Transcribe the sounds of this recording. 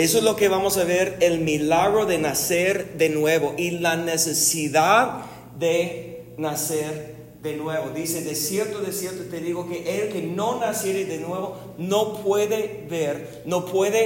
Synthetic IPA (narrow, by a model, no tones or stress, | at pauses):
es̬oezlo̞keβamosaβeɾelmilaɣɾo̞ðenaseɾðenwe̞βoʔilanesesiðað | ðe | naseɾ | ðenwe̞βoðiseðesje̞ɾt̪oðesje̞ɾt̪ot̪eðiɣokeʔelke̞no̞nasje̞ɾeðenwe̞βo | no̞pʰwe̞ðe | βeɾ | nopweðe